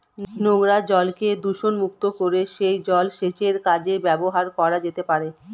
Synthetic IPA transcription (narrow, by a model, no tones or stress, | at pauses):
noɡɾad͡ʑɔlked̪uʃonmuk̚t̪okoɾeʃejd͡ʑɔlʃet͡ɕeɾkad͡ʑebɛboɦaɾkɔɾad͡ʑet̪epaɾe